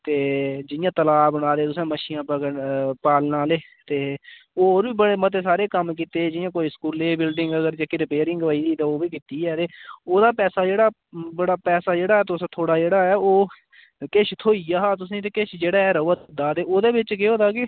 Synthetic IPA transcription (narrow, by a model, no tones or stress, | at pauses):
t̪eːd͡ʒɪjãːt̪əlaːbəɽ̃aːd̪eːt̪ʊsãːməʃiːãːpəɡəpaːlnaːleː | t̪eːoːoːɾbiːbəɽeːmət̪eːsaːɾeːkəmkiːt̪eːd͡ʒɪjãːkoːiːskuːleːbɪlɖɪŋɡəɡəɾd͡ʒaːkiɾɪpeːɾɪ̃ŋɡəʋaːiːd̪iːt̪ãːoːbiːkiːt̪iːɛːt̪eːoːd̪aːpɛːsaːd͡ʒeːɽaː | bəɽaːpɛːsaːd͡ʒeːɽaːɛːt̪ʊst̪ʰoːɽaːd͡ʒeːɽaːɛːoː | kɪʃʰt̪ʰoːiːaːɦaːt̪ʊs̬ĩːt̪̬eːkɪʃʰd͡ʒeːɽaːɛːɾəət̪d̪aːt̪eːoːd̪eːbɪt͡ʃkɪoːd̪aːkɪ